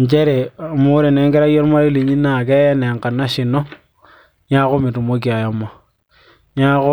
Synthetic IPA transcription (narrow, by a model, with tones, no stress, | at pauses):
ɲ˨t͡ʃɛ˦ɾɛ˨mo˦ɾe˨nɛ˦ŋɡɛ˦ɾa˦jɔ˦ɾma˦ɾi˦li˨ɲi˦nːaː˨kɛ˦jɛ˦nɛ˨ŋka˨nːa˦ʃɪ˨nːɔ˦ | ɲa˦ko˦mɪ˨tu˨mo˦k̬ja˨ja˦ma˨ | ɲa˦kʊ˦